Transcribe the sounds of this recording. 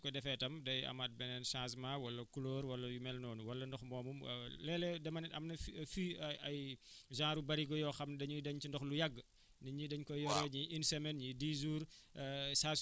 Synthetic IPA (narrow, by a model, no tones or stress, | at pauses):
kɔdɛfɛtɐmdɐjɐ̰mat̚bɛnɛnsaːs̬mawɐlːɐkulɔːɾwɐlːɐjumɛlnɔːnuwɐlːɐndɔxmɔːmum̰lɛlɛdɛmɐnɛɐmnɐffiɐjʒãːɾubɐɾiɡɔjɔxɐmdɐɲidɐɲt͡ʃindɔxlujɐɡː | nɐɲidɐɲkɔjɔɾɔɲiʔinsɛmɛnɲidizuːɾ | saːs